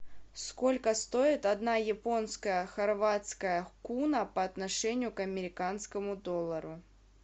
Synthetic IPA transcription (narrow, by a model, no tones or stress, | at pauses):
sko̞lʲkəst̪o̞ɪt̪ɐd̪najɪpo̞nskəjəxɐrvat̪skəjəkunəpɐːt̪nɐʂɛnʲɪjʊkɐmʲɪɾʲɪkanskəmʊd̪o̞lˠːəɾʊ